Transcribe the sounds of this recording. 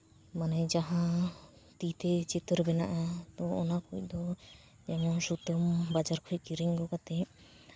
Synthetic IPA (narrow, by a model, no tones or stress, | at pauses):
manɛd͡ʒaɦãt̪it̪ɛt͡ʃit̪ɔɾbɛna̰ʔat̪ɔ̃ɔ̰nakuc̚ˀd̪ɔ | d͡ʒɛmɔnsut̪ɔmbad͡ʒaɾkʰukiɾiŋɡɔkat̪ɛ